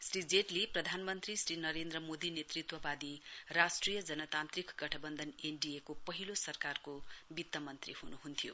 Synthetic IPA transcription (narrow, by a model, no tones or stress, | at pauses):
srid͡zeʈleprʌd̪ʱanmʌnt̪risrinʌɾend̪ɾʌmod̪inet̪rit̪wʌbad̪irasʈrijʌd͡zʌnʌt̪ant̪rikɡʌʈʰʌbʌnd̪ʱʌnenɖiekopʌɦilosʌrkarkobit̪ːʌmʌnt̪rihunuɦunt̪ʰijo̰